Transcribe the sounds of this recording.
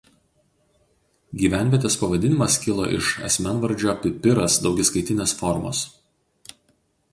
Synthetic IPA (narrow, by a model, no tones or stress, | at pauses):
ɡʲiːʋʲæˑnʲʋʲiɛt̪ʲeːspɐʋɐd̪ʲɪnʲɪmɐskʲɪlˠoːʔɪ̰ʃɐ̰sʲmʲɛnʋɐɾʲˑd͡ʒʲoːpʲɪpʲɪɾɐsd̪ɒʊɡʲɪskɐɪt̪ʲɪnʲeːsfɔɾmo̰ːs